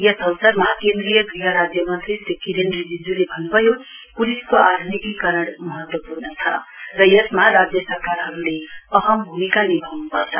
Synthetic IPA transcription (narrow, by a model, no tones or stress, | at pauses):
jʌsʌwsʌrmakend̪rijʌɡɾiɦʌɾad͡zjʌmʌnt̪ɾisekʰiɾend̪rid͡zid͡zulebʱʌnːubʱʌjo | puliskoʔad̪ʱunikikʌɾʌɽmʌɦʌt̪wʌpurnʌt͡sʰʌ̰rʌjʌsmaɾad͡zjʌsʌɾkaɾɦʌɾuleʌɦʌmbʱumikanebʱawnupʌ̰rt͡sʰʌ̰